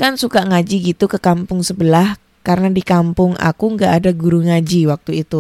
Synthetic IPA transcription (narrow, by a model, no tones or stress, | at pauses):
kansukaŋad͡ʒiɡit̪ukəkampʊŋsəbəlah | kaɾənadikampʊŋʔa̰kuŋɡaʔːdaɡuɾuŋad͡ʒiwak̚t̪uit̪u